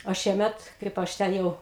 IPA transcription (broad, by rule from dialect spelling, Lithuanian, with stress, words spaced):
oː ˈʃʲiɛmʲɛt ˈkɐɪp ˈɐʃ ˈtʲɛn jɛʊ